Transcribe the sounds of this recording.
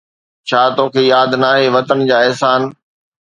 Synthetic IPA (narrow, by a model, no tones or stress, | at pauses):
t͡ɕʰaːt̪oːkʰeːjaːd̪naːɦeːʋɐt̪ənd͡ʑaːɛɦsaːn